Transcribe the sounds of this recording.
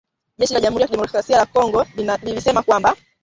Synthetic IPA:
ʄɛʃilaʄam̩huɾijakiɗɛmɔkɾasialakɔŋɡɔlilisɛmakwamba

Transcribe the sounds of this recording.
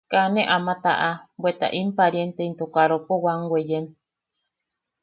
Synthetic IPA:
kaneʔamat̪aʔabwet̪a̰ʔimpaɾjent̪eint̪okaɾopowaŋɡʷwejen

